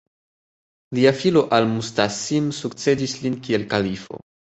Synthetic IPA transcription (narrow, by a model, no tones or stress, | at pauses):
liafilo̞ʔalmustasimsukt͡se̞dislinkie̞lkalifo̞̰